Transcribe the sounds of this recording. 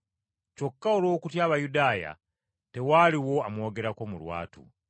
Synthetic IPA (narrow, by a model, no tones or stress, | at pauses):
co̞kːaolo̞ːkutjaːβajudaːja̰ | te̞waːliwo̞amwo̞ːɡe̞ɾako̞mulwa̰ːtṵ